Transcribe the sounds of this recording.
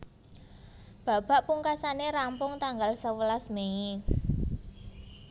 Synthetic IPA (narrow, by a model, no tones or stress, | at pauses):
b̥a̤b̥a̤ʔpuŋkasaneɾampʊŋt̪aŋɡalsəwəlasmei